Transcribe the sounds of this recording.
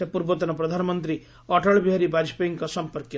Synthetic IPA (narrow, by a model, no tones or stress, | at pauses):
epuɾbɔt̪ɔnɔpɾɔd̪ʱanɔmɔnt̪ɾi | ɔʈʰɔɭbʱiɦaɾibad͡ʒʱpeŋkɔsɔmpɔɾkj